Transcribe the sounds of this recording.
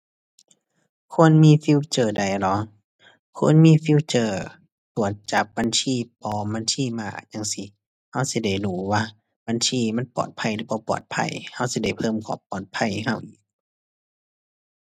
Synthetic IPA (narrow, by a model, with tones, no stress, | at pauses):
kʰo˧˥˨nmiː˧˥˨fi˧˨t͡ɕɤː˧˩da˨˩jlɔ˨˧˦ | kʰo̰˧˥˨nmiː˧˥˨fi˧˨wt͡ɕɤː˧˩ | t̪u˨˩ət̪̚t͡ɕa˨˦˩p̚ba˧˥˨nsʰiː˧˥˨pɔː˧˦ba˧˥˨nt̪ʰiː˧˥˨maː˧˩˨ɲa˧˨ŋsi˧˦ | ha˧˥˨wsi˧˦da˧˩jduː˨˧˦waː˧˨ | ba˧˨ntʰiː˧˥˨ma˧˥˨npɔ̰ː˨˩t̪̚pʰa˧˩˨jlɯː˧˩bɔː˧˦pɔ̰ː˨˩t̪̚pʰa̰˧˩˨jha˧˩˨wsi˧˦da˧˩jpʰɤː˧˨mkʰɔ̰ː˧˨˩ppɔː˨˩t̪̚pʰa˧˨jɦa˧˩˨wʔiː˨˩k̚